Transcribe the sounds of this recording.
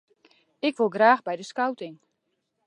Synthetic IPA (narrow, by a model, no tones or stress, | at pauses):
ɪkʋolˠɡraːxbɛjdəskawtɪŋ